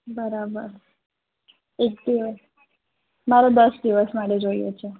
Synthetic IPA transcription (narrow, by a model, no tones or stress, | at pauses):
bəɾabəɾ | ek̚d̪iʋəs | maɾod̪əsd̪iʋəsmaʈed͡ʒoijo̰t͡ʃʰe